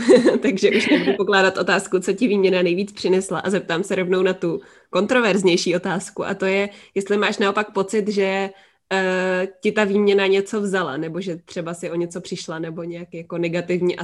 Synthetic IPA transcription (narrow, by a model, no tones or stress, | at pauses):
t̪aɡʒɛʔuʃnɛbudupoklaːdat̪ʔo̞t̪aːskut͡socɪviːmɲɛnanɛjviːt͡spr̥ɪnɛslaʔazɛp̚t̪aːmsɛɾo̞vnownat̪u | ko̞nt̪ɾo̞vɛɾzɲɛjʃiːʔo̞t̪aːskuʔa̰t̪o̞jɛjɛst̪lɪmaːʃnaʔo̞pak̚po̞t͡sɪt̪ʒɛ | cɪt̪aviːmɲɛnaɲɛt͡so̞vzala̰nɛbo̞ʒɛt̪r̝̥ɛbasɪʔo̞ɲɛt͡so̞pr̥ɪʃlanɛbo̞ɲɛjakjako̞nɛɡat̪ɪvɲiʔa